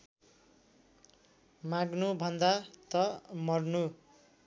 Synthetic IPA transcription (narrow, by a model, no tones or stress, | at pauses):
maɡnubʱʌnd̪at̪ʌmʌrnu